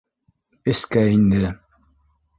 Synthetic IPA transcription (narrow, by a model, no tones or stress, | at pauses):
ɘskæind̪ɘ